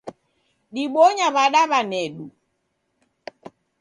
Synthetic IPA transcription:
ɗiɓɔɲaβaɗaβanɛɗu

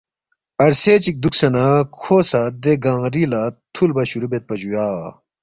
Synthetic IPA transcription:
ɐɾset͡ɕik̚d̪uksɐnɐkʰosɐd̪eɡaŋɾilat̪ʰulbɐɕuɾubet̪̚pɐd͡ʑujaː

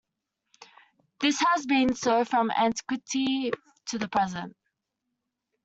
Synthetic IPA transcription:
ðɪshəzbĩnsɜːv̥fɹə̃mæ̰̃ntɪ̥kwɪtʰi | tʰəðəpʰɹ̥ɛzə̃nt

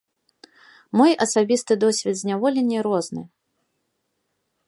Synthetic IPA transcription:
mɔjʔɐsabʲist̪ɨd̪ɔsʲvʲɛd̪zʲnʲavɔlʲenʲːɛɾɔznɨ̰

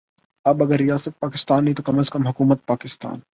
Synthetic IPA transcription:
ɐbɐɡəɾːijaːsət̪̚paːkɪst̪aːnːɦĩt̪okɐməskɐmɦʊkuːmət̪̚paːkɪst̪a̰ːn

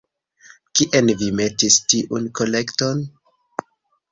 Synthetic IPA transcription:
kiʔenvime̞tistiʔunko̞le̞kto̞n

